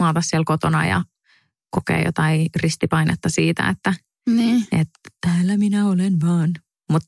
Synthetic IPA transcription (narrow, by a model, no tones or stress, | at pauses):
mɑːt̪ɑssiɛlkot̪onɑ̰jɑ̰ | kokḛːjo̰t̪ɑirist̪ipɑinet̪ːɑsiːt̪æ̰et̪ːæ | niːet̪t̪æːlːæminæolenʋɑːn | mut̪